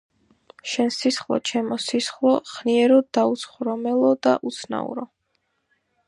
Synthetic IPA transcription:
ʃɛnsisχlˠɔ̰t͡ʃʰɛmɔsisχlˠɔχniɛɾɔd̪aut̪sχɾɔmɛlˠɔd̪aʔut̪sʰna̰ṵɾɔ

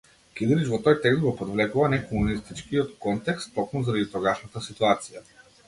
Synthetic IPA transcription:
kid̪ɾit͡ʃvɔt̪ɔjt̪ɛkzɡɔpɔd̪vlɛkuvanɛkɔmunist̪it͡ʃkiɔt̪kɔnt̪ɛkst̪ːɔkmuzaɾad̪it̪ɔɡaʃnat̪asit̪uat̪sija

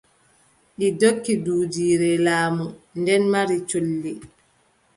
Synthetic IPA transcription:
ʔidokːiduːd͡ʒiːɾɛlaːmundɛnmaɾit͡ʃolːi

